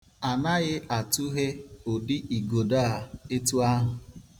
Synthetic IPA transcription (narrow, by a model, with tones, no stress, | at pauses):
a˨na˦ɣɪ˦a˨tu˦ɦe˦o˨dɪ˦ʔi˨ɡo˨da˦˨e˦tu˦a˦ɦʊ˨